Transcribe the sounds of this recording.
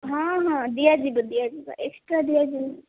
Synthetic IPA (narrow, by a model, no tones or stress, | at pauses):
ɦãɦãd̪ijad͡ʒibəd̪ijad͡ʒibə̰ʔeksʈɾad̪ijad͡ʒib